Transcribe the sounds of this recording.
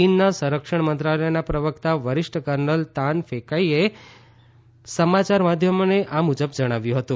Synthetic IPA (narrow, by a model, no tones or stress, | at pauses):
inːasə̃ɾəkʂəɳ̃mənt̪ɾalɛjnapɾəʋəkt̪aʋəɾɪʃʈʰəkəɾnəlt̪anfekaie | səmat͡ʃaɾmad̪ʱjəmoneʔamud͡ʒəbd͡ʒəɽ̃aʋjũɦət̪ũ